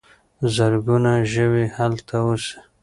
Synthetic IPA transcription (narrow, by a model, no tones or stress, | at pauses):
zaɾɡunaʒəwehalt̪ʰawusi̥